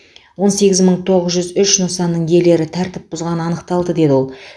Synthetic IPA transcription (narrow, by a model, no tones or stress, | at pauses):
wo̞nse̞ɡʲɪzməɴt̪ʰo̞ʁəzʒʏzʏʃnosɑnːəɴje̞le̞ɾɪt̪ʰæɾt̪ɪp̚bʊzʁɑnəɑnəqt̪ɑlˠd̪əd̪e̞d̪ɪwo̞lˠ